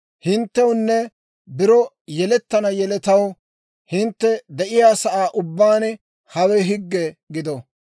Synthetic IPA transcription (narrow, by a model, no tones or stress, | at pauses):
hɪnt̪ːɛwʊnːɛ | bɪɾɔ | jɛlɛt̪ːɐnɐjɛlɛt̪ɐw | hɪnt̪ːɛd̪ɛʔɪjaːsɐʔaːʔʊbːaːn | hɐwɛɦɪɡːɛɡɪd̪ɔ